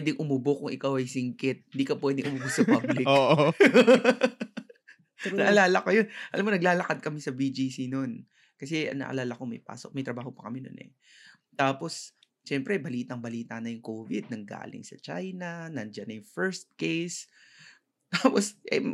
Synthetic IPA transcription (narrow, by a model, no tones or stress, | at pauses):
pwɛːd̪ɪŋʔʊmʊbokʊŋʔɪkawʔɐjsɪŋkɪt̪̚hɪnd̪iːkɐpwɛːd̪ɪŋʔʊmʊbʊsɐpɐblɪoːʔ | nɐʔɐlaːlɐkojonʔɐlamkonɐɡ̚laːlɐkad̪̚kɐmɪsɐbid͡ʒiːsinon | kɐsɛɐ̰ŋnɐ̰ʔɐ̰laːlɐkomɐjpa̰ːsok̚mɐjt̪ɾɐbaːho̞pɐkɐmɛno̰nʔɛ̰ | t̪aːpo̞s | t͡ʃɛmpɾɛbɐliːt̪ɐŋbɐliːt̪anɐjʊŋkoːvɪd̪̚nɐŋɡa̰ːlɪ̰ŋsɐ̰t͡ʃa̰jnɐnɐnd͡ʒɐnɐjʊŋfɛɹst̪̚kejs | t̪aːposʔɐ̰j